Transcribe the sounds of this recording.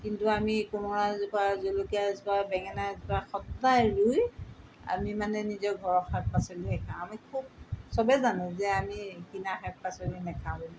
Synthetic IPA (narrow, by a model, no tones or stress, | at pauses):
kintuamikumɔɹazubazolokiazbabɛŋɛnazbaxɔtːajɹuja̰mimanɛnizɔɡʱɔɹɔxak̚pasɔliɦɛkʰãamikʰub̚sɔbɛzanʊ̃zɛamikinaxak̚pasɔlinɛkʰã